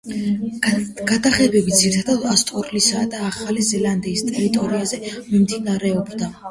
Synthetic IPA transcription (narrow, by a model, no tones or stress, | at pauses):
ɡ̥ad̪aχɛbɛbid̪ziɾt̪ʰad̪ad̪ast̪ʼɔɾlisad̪aːχalizɛland̪iːst̪ʼɛɾit̪ʼɔɾiazɛmimd̪inaɾɛɔbd̪a